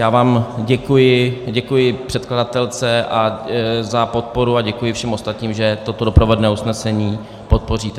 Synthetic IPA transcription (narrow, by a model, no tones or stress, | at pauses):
jaːvaːmɟɛkujɪɟɛkujɪpr̝̥ɛt̪̚kladat̪ɛlt͡sɛʔazapo̞t̪̚po̞ɾuaɟɛkujɪfʃɛmo̞st̪at̪ɲiːmʒɛt̪o̞t̪odopɾovodnɛːusnɛsɛɲiː | po̞t̪̚po̞r̝iːt̪ɛ